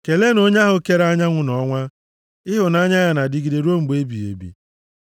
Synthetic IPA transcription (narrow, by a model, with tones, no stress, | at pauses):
ke˨le˦no˦ɲa˦ɦʊ˨ke˦ɾa˦ɲa˦ŋʷʊ˨nɔ˦ŋʷa˦ | ɪ˦ɦʊ˨na˦ɲa˦ja˨na˨dɪ˦ɡi˨di˨ɾo˦m̩˨ɡ͡be˦bi˨ḛ˨bḭ˨